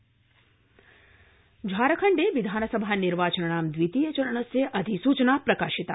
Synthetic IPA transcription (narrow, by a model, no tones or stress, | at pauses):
d͡ʒʱaːɾəkʰəɳɖeʋid̪ʱaːnəsəbʱaniɾʋaːt͡ʃənəɳ̃aːmd̪ʋit̪ijət͡ʃɐɾəɳ̃əseʔɐd̪ʱisuːt͡ʃnapɾɐkaːʃit̪a